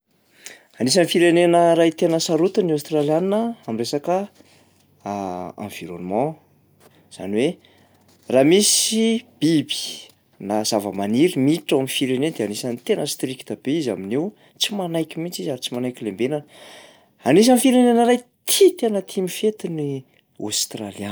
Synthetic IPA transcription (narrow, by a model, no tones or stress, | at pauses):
anis̬anifiɾenenəɾajt̪enəsaɾut̪uniawst̪raljaninəamiresakə | ã̰viɾo̰numã | z̥a̰niwe | ramisib̥ibi̥ | nazavə̰maniɾimiʈ͡ʂawaminfiɾenend̪eanisanit̪enəst̪ɾikt̪ab̥eiza̰minew | t͡simanajkʲimit͡sizaɾit͡simanajkʲilembenanə | anis̬amifiɾenenəɾajt̪ʰit̪enət̪ʰimifet̪ini | a̰st̪ralian